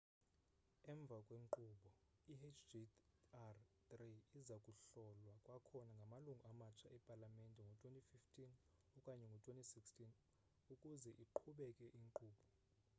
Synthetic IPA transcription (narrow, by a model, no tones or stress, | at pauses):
ɛɱb̪vʱakʼweŋǃuɓɔiet͡ʃʰdiart̪riizakʼuɬɔlwakʼwakʰɔnaŋɡʱamaluŋɡʱuamat͡ʃʰaʔɛpʼalamɛntʼɛŋɡʱɔtʰʼwentʼififtʰʼin | ukʼaɲɛŋɡʱɔtʰʼwentʼisikstʰʼin | ukʼuzɛʔiǃʰuɓɛkʼɛʔiŋǃuːɓɔ